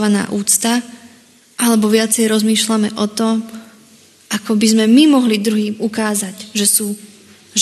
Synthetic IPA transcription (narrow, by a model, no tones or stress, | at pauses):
ʋana̰ːʔuːt͡st̪a | ʔalɛbɔʋɪat͡sɛjɾɔzmiːʃlamɛʔɔt̪ɔm | akɔbizmɛmimɔɦlid̪ɾuɦiːmukaːzaɟʒɛsuː | ʒ